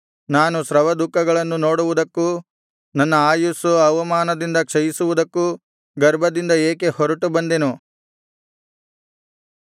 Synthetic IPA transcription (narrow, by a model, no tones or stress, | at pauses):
naːnusɾɐʋɐd̪ukːɐɡɐɭɐnːunoːɽuʋud̪ɐkːu | nɐnːɐaːjusuɐʋɐmaːnɐd̪ind̪ɐkʂɐjisuʋud̪ɐkːu | ɡɐɾbʱɐd̪ind̪ɐeːke̞hɔɾɐʈubɐnd̪enu